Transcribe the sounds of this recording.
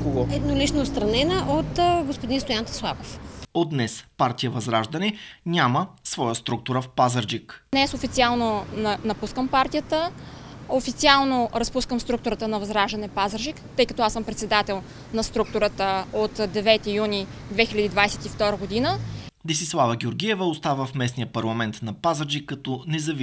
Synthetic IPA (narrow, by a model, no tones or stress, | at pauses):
koɡɔɛd̪nolit͡ʃnoːt̪st̪ɾɐnɛnəʔot̪ɡospod̪inst̪ojant̪ɐ̥slˠako̥fod̪nɛspaɾt̪ijəvɐzɾaʒd̪ɐnɛnʲaməsvɔjəst̪ɾuk̚t̪uɾəfpazəɾd͡ʒiknɛsofit̪ialˠnonɐnɐpuskəmpaɾt̪ijət̪ə | ofit̪sialˠnoɾɐspuskəmst̪ɾuk̚t̪ʊɾət̪ənɐvɐzɾaʒd̪ɐnɛpazəɾʒikt̪ɤjkɐt̪ɔasəmpɾɛt̪sɛd̪at̪ɛlˠ | nɐst̪ɾuk̚t̪ʊɾət̪əot̪d̪ɛvɛt̪ijunid̪vɛxilʲəd̪id̪vajsɛt̪ift̪ɔɾəɡod̪inəd̪isislˠavəɡʲioɾɡʲiɛvəost̪avəfmɛsnijəpɐɾlˠɐmɛnt̪nɐpazəɾd͡ʒikːɐt̪ɔnɛzɐv